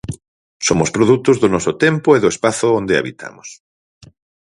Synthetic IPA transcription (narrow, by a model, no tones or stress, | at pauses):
somʊspɾoðut̪ʊzðʊnɔsʊt̪empʊeðʊespaθʊond̪ea̰βit̪ʰa̰mʊs